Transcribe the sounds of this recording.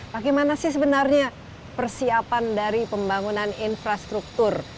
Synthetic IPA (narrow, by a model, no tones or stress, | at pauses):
baɡejmanasɪhs̬əbənarɲa | pərsiapandaɾipəmbaŋunaninfɾast̪ɾuk̚t̪ʊr